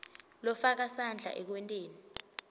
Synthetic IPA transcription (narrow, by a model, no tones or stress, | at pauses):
lɔfak̬asand͡ɮʱa̰ʔɛk̬wɛntʼeːni